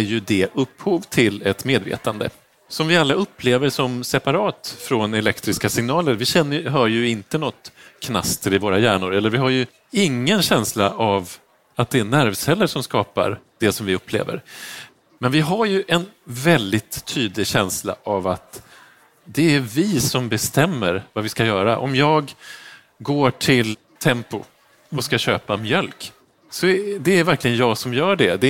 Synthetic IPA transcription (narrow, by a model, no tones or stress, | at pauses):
æɾjɵd̪ɛʔɵpːhuːvt̪ʰɪlɛt̪meːd̪vḛːt̪and̪ə̰ | sɔmvɪalːaɵpʰːleːvəɾʂɔmsɛpaɾɑːt̪fɾɔnɛlɛkt̪ɾɪskasɪŋnɑːləɾvɪɕɛnːəjɦœːɾjɵɪnt̪ənɔt̪ːkʰna̰st̪ʰəɾɪvoːɾajæːɳʊɾɛlːəɾvɪɦaɾjɵ | ɪŋːənɕɛnslaʔav | at̪̚d̪ɛænæɾvsɛlːəʂɔmskɑːpa̰ɾd̪̥ɛsɔmvɪɵpʰːlḛːvə̰ɾ | mɛnvɪɦaɾjɵʔɛnvɛld̪ɪt̪ʰːyːd̪lɪɡɕɛnsla̰ʔavat̪ | d̪ɛæɾvɪsɔmbɛst̪ɛmːəɾvavɪskajœːɾa̰ʔɔ̰mjɑːɡ | ɡoːʈʰɪl | t̪ʰɛmpʊ | ɔskaɕøːpamjœlk | sɔd̪ɛæɾvæɾklɪɡənjɑːɡsɔmjœːɖɛd̪ɛ